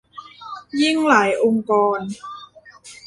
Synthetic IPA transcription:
ji˥˩ŋlaː˩˦jʔo˧ŋkɔː˧n

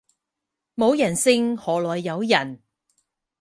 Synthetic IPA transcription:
mo˨˧wjɐ˨˩nsɪ˧ŋhɔː˨lɔː˨jːɐ˨˧wjɐ˨˩n

